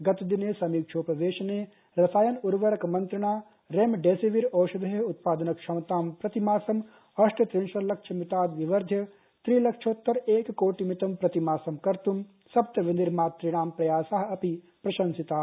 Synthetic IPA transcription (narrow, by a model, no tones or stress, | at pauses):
ɡɐt̪ɐd̪ineːsɐmiːkʃʰoːpɐʋeːʃɐneː | ɾɐsaːjɐnuɾʋɐɾɐkmɐnt̪ɾɐɳ̃aː | ɾeːmɖeːsiʋiɾoːʃɐd̪ɐɦeut̪̚paːd̪ɐnɐkʂɐmɐt̪aːmpɾɐt̪imaːsɐm | ɐʂʈʰɐt̪ɾinʃɐɾlɐkʂʰɐmit̪aːd̪ʋiʋɐɾd̪ʱjɐ | t̪ɾiːlɐkʂʰoːt̪ːɐɾeːkkoːʈimit̪ɐmpɾɐt̪imaːsɐmkɐɾt̪um | sɐbt̪ɐʋind̪iɾmaːt̪ːɾiɽ̃aːmpɾɐjaːsaɦɐ̆ɐpi | pɾɐʃɐnsit̪aː